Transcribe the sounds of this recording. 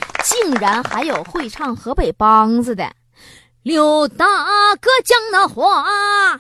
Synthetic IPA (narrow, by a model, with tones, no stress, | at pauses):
t͡ɕi˥˩˧ŋɻa˧˥nxa˧˥ɪjo˨˩ʊxwe˥˧ɪʈ͡ʂʰɑ˥˩ŋxɤ˧˥pe˨˩ɪpɑ˥ŋt͡s̩˧d̪ə̰˩ | ljo˨˩ʊt̪a˥˩˧kɤ˥t͡ɕjɑ˥ŋnə˧˥xwɔ˧˥a˧